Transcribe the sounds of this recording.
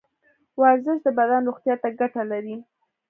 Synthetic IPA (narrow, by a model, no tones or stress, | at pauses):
wɑɾzɪʃd̪əbad̪anɾoɣt̪jɑt̪aɡaʈalaɾi